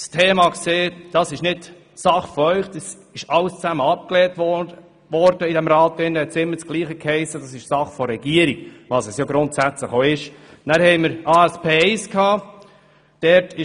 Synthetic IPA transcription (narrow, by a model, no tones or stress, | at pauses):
stʰeːmɑkseːd̥ɑsɪʃnɪd | sɑχfɔœʏχd̥ɑs | ɪʃɑlst͡sæməɑp̚klɛːtɔ | ʋɔɾd̥əidɛmɾɑːtːɪnːəhɛtsɪmːət͡sɡ̥liːχəkhɛɪsːəd̥ɑsɪʃsɑχfɔɾɛɡ̥iəɾiɡ̥ʋɑsɛsjoɡɾʊntsæt͡sləχoːɪʃ | næːɾhɛɪməɾɑːɛspʰeːɛɪskhɑː | d̥ɛɾtʰɪ